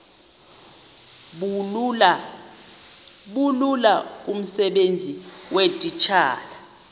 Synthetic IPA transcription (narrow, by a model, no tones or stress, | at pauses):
ɓululak̬ʼum̩sɛɓend͡zʱiwetʼit͡ʃʰaːla